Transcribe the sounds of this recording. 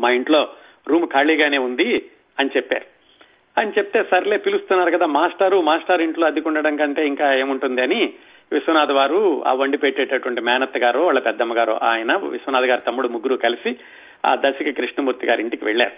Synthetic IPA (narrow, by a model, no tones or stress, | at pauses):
maːiɳʈlo̞ː | ɾuːmkʰaːɭiːɡaːne̞ːund̪i | ɐnit͡ʃepːa̰ːɾu | ɐnit͡ʃepi̥t̪e̞ːsɐɾile̞ːpilust̪unːaːɾukɐd̪aːmaːsʈɐɾumaːsʈaɾiɳʈlo̞ːɐd̪ʱikuɳɖɐɽɐŋkɐɳʈe̞ːiŋkaːe̞ːmuɳʈund̪iɐni | ʋisʋɐnaːd̪ɐʋaːɾua̰ːʋɐɳɖipeʈːeːʈːɐʈuʋɐɳʈimɛːnɐt̪ːɐɡaːɾoːʋaːɭːɐpɛd̪ːɐmɐɡaːɾo̰ːʔaːjɐnɐʋḭsʋɐnaːd̪ɐɡaːɾut̪ɐmːuɽumuɡːuɾukɐlisi | a̰ːd̪ɐsɐkɐkɾiʂɳɐmuːɾt̪iɡa̰ːɾiɳʈikiʋɛɭːa̰ːɾu